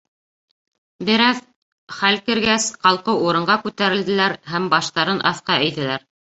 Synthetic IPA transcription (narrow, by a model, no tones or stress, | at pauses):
bɘ̆ɾæð | χælkɘ̆ɾɡæsqɑlˠqɤuɾɤ̆ɴɢɑkʉt̪æɾɘ̆ld̪ɘ̆læɾɦæmbɑʃt̪ɑɾɤnʔɑ̰θqɑʔɘ̆jðɘ̆læɾ